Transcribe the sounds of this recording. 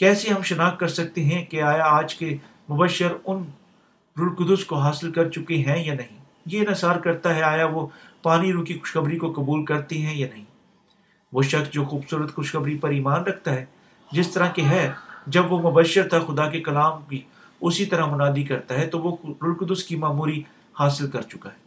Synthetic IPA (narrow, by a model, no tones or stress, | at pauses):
kɛːseɦɐmʃɐnaːxkɐɾsɐk̚t̪eɦɛ̃keaːjaaːd͡ʒke | mʊbəʃːəɾʊn | ɾʊɽkʊd̪ʊskoɦaːsɪlkɐɾt͡ʃʊkeɦɛ̃janɐɦĩ | jenəsaːɾkɐɾt̪aɦɛaːjaʋopaːniɾuːkixʊ̥ʃxɐbɾikokɐbuːlkɐɾt̪eɦɛ̃janɐɦĩː | ʋoːʃɐxsd͡ʒoːxuːbsuːɾət̪xʊʃxɐbɾipɐɾiːmaːnɾɐkʰt̪aɦɛː | d͡ʒɪst̪ɐɾãkeɦɛd͡ʒɐbʋomʊbəʃːəɾt̪ʰaxʊd̪ak̬ekɐlaːmbʱi | ʊsit̪ɐɾamʊnaːd̪ikɐɾt̪aɦɛt̪oʋoɾʊɽkʊd̪ʊskimaːmuːɾi | haːsɪlkɐɾt͡ʃʊkaɦɛː